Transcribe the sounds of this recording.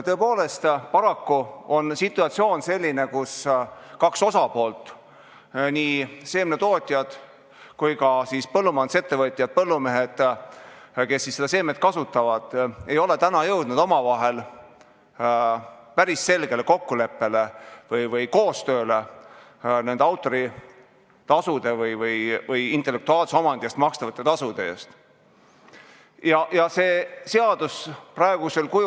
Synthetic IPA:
t̪ɤepo̞ːle̞st̪pɑɾɑkːuo̞nsit̪ːˑuɑt̪sio̞ːnse̞lʲːine̞kuskɑkso̞sɑpo̞ːlt̪ˑ | niːse̞ːmnet̪o̞ːt̪ʲːˑjɑd̪̥ | kujkɑsispɤlːumɑnd̪̥se̞t̪ːe̞vɤt̪ʲːˑjɑd̪̥̚pɤlːume̞ɦed̪̥ | ke̞sːisːed̪ɑs̬e̞ːme̞t̪̚kɑsut̪ːˑɑvɑd̪̥e̞jo̞le̞t̪ænɑjɤwd̪̥nud̪o̞mɑvɑɦe̞l | pæɾisːe̞lɡ̥e̞le̞ko̞kːule̞pːe̞levɯjvɯjko̞ːst̪ø̞ːle | ne̞nd̪̥ɑwt̪ːˑo̞ɾi | t̪ɑsud̪e̞vɯjvɯjvɯjint̪ːˑelːe̞k̚t̪uɑːlseo̞mɑnd̪̥iest̪mɑkst̪ɑvɑt̪ːˑet̪ɑsud̪̥eḛːst̪ | jɑjɑse̞ːse̞ɑd̪̥usprɑeɡ̥use̞lkuj

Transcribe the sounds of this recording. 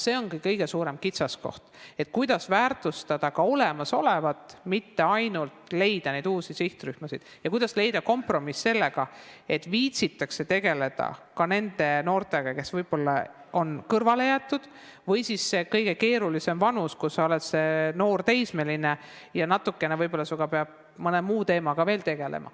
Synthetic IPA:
se̞ːo̞nkikɤjɡe̞suːɾe̞mkit̪sɑsko̞̰ht̪e̞t̪̚ːˑkujd̪̥ɑsvæːrt̪ˑust̪ɑd̪̥ɑkɑo̞le̞mɑso̞levɑt̪ːˑmit̪ːe̞ɑjnult̪le̞jd̪̥ɑne̞jd̪̥uːsisiht̪ryhmɑsid̪̥jɑkujd̪̥ɑsle̞jd̪̥ɑko̞mpro̞misːe̞lːe̞ɡ̥ɑe̞t̪ːˑviːt̪sit̪ːˑɑkse̞t̪e̞ɡe̞le̞d̪̥ɑ̰kɑne̞nd̪̥e̞no̞ːrt̪e̞ɡ̥ɑke̞svɤjb̥o̞lːɑ | o̞nkɤrvɑle̞jæːt̪ːˑud̪̥ | vɤjsisːe̞kɤjɡ̥e̞ke̞ːɾulise̞mvɑnuskusɑo̞let̪se̞no̞ːrt̪e̞jsme̞line̞ | jɑnɑt̪ːˑukːˑe̞nevɤjbo̞lːɑsuɡ̥ɑpe̞ɑb̥̚ | mɤnemuːt̪e̞ːmɑɡ̥ɑve̞ːlt̪e̞ɡ̥e̞lḛmɑ̰

